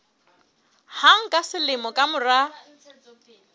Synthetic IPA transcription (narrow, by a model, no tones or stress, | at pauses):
haŋ̩kʼasɪlɪmɔkʼamʊra